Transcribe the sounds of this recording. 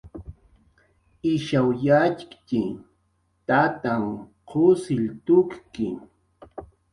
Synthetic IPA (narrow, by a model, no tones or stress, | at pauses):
ɪʃawjat͡ʃkt͡ʃɪ | t̪at̪aŋ | qʰʊsɪlt̪ʊkkɪ